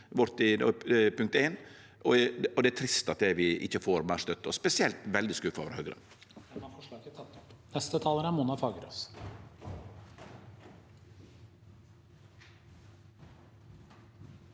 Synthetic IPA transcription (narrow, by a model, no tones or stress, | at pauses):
ʋɔɾt̪ɪpʰʉŋk̚t̪eːn | ʔɔɔd̪ɛæʈt̪ʰɾɪst̪ɑt̪̚d̪ɛʋɪʔɪ̰çəfoːɾmæʂt̪œt̪ːɔspɛsɪɛlt̪ʋɛld̪ɪskʉfːɑ̰ʋɾhœːɡɾə̰ | ɛɑfɔʂɭɑːkət̪ʰɑt̪ːɔpnɛst̪ət̪ʰɑːlənæɾmunɑfɑːɡəɾo̰s